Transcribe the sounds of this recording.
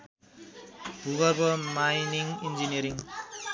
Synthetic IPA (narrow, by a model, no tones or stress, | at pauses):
buɡʌɾbʌmajniŋind͡ʒinijʌɾiŋ